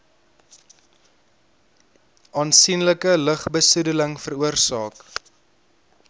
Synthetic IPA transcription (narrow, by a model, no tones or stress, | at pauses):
ʔɑːnsinləkələχbəsudələŋfəruərsɑːk